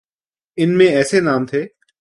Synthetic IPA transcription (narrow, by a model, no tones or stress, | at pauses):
ɪnmẽɛːsenaːmt̪ʰeː